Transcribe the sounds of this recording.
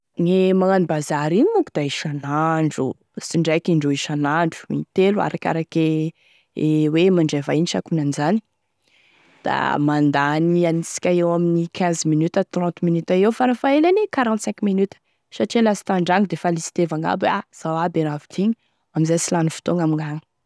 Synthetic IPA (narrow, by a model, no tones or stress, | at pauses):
nemaŋanibazaɾinimukud̪̥aiʃanaɳɖ͡ʐṵ | siɳɖ͡ʐajkiɳɖ͡ʐoiʃanaɳɖ͡ʐu̥ḭnt̪elua̰ɾakʲa̰ɾake | ewemaɳɖ͡ʐavainiʃa̰kunanizani̥ | d̪̥a̰mand̪anianisi̥kʲaewaminikʰɛ̃zminyt̪ət̪rɔ̃nt̪minyt̪aewfaɾafaelanekaɾɑ̃nt̪sɛ̃ŋkminyt̪ə̥ | ʃaʈ͡ʂelasi̥t̪aɳɖ͡ʐaŋid̪efalisi̥t̪evaŋa̰baz̥awabenavit̪ʰiɲ | amizajsilanufi̥t̪oŋamiŋaŋ